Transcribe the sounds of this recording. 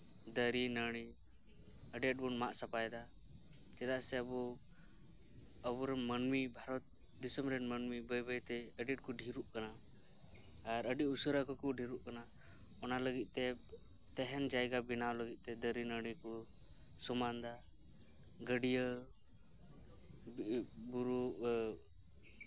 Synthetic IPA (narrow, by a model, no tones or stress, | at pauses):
d̪əɾinəɽ̃i | əɖiəʈ̚bunmaʔsapajd̪a | kɛd̪aʔsɛəbɔ | əbɔɾɛnmənmibʱaɾɔt̪̚ | d̪isəmɾɛnmənmibəjbəjt̪ɛ | əɖiʈ̚kɔɖʱiɾuʔkana | ɾəɖiʔusəɾakɔkuɖʱiɾuʔkana | ɔnaləɡit̪̚ˀt̪ɛ | t̪ɛɦɛnd͡ʒajɡabinawləɡit̪̚ˀt̪ɛd̪əɾinəɽikɔ | sɔmand̪a | ɡəɖijə | buɾu